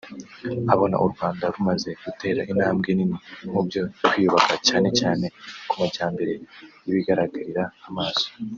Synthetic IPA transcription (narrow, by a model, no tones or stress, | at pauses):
aβo̞na̰ʔuɾɡwaːndaɾumaze̞ɡ̥ute̞ːɾaʔinaːmɡeninimubjo̞wijuβakacaːne̞caːne̞kumaɟaːmbe̞ɾe̞jiβiɡaɾaɡaɾiɾaːmaːz̥o̥